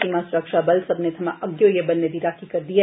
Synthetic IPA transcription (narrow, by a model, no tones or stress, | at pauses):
imãsʊɾəkʃabɐlsɐbnet̪ʰɐmãʔɐɡjojebɐnːeb̪ʱiɾaːkikɐɾd̪ie